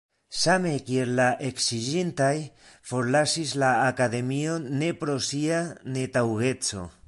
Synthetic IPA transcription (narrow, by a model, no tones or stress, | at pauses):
same̞kiellaʔeksiʒint̪aj | foɾlasislaːkaðe̞mionːe̞pɾo̞sianet̪awɣe̞t͡so̰